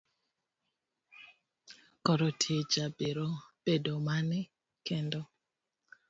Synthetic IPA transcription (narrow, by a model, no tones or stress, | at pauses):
kɔɾɔtʰied͡ʒabeɾob̥edomanɛ | kɛndɔ